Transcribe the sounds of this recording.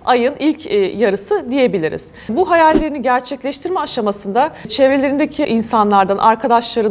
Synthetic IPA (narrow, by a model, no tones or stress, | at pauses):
ajɯnilʲcʰjaɾɯsɯd̪ije̞bilʲiɾḭz̥ | buɦajalʲːe̞ɾiniɟæɾt͡ʃʰɛclʲɛʃt̪ʰiɾmɛaʃamasɯnd̪at͡ʃʰevɾelʲe̞ɾind̪ecʰiʔinsanlˠaɾd̪anʔaɾkʰad̪aʃlˠaɾɯ